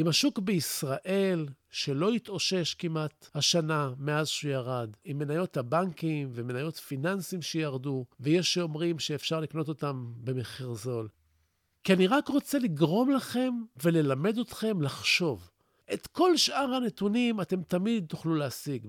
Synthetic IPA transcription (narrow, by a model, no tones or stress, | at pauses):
imaʃukbeisʁaʔe̞l | ʃe̞lo̞it̪o̞ʃe̞ʃkimat̪haʃaname̞azʃujaʁad̪imːe̞najo̞t̪habaŋkimveme̞najo̞tfinansimʃejaʁduvejeʃeomʁimʃeːfʃaʁlikno̞to̞t̪ambe̞meχiʁzo̞l | kianiʁakʁo̞t͡se̞liɡʁo̞mlaχe̞mve̞le̞lame̞d̪o̞tχe̞mlaχʃo̞v | ʔe̞tko̞lʃʔaʁane̞t̪unimate̞mtamid̪̚t̪uχluleasiɡ